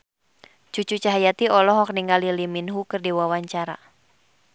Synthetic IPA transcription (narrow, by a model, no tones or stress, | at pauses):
t͡ʃut͡ʃut͡ʃaɦajat̪iɔlɔɦɔk̚niŋɡaliliminɦukɨrdiwawaɲt͡ʃaɾa̰